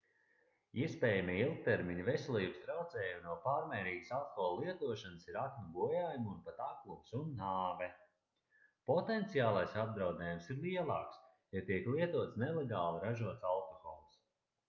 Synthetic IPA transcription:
iɛspɛːjamiilˠk̚t̪eɾmiɲvɛsɛlˠiːbəst̪ɾawt̪zɛːjumnuɔpaːɾmɛːɾiːɡə̥salˠxɔlˠːiɛt̪uɔʃanəsiɾaknʲuɡuɔjaːjumunpat̪aklumsunːaːvɛ | pɔt̪ent̪sijaːlˠajsab̚d̪ɾawd̪ɛːjumsiɾlˠiɛlˠa̰ːks | jat̪iɛklˠiɛt̪uɔt̪snɛlˠeɡaːlˠiɾaʒuɔt̪salˠkɔxɔːlˠs

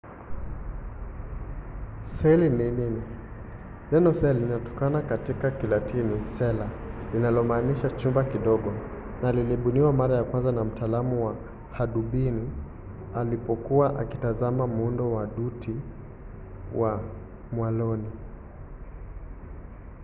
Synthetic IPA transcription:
sɛlimimini | lɛnɔsɛlinatɔ̥kanakatikakilatʰinisɛla | linalɔmaːniʃat͡ʃumbakiɗɔɠɔ | naliliɓuniwamaɾajakwanzanam̩taːlamuwa | haɗuɓini | alipɔkuwaʔa̰kitazamamuundɔwaɗuti | wʔa | mwalɔni

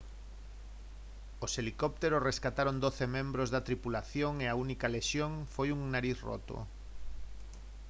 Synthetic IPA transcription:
oselikɔp̚t̪eɾoreskat̪aɾond̪oθemẽmbɾozðɐt̪ɾipulaθjoŋeaunikaleʃjoŋfojuŋnaɾiθro̰t̪o̰

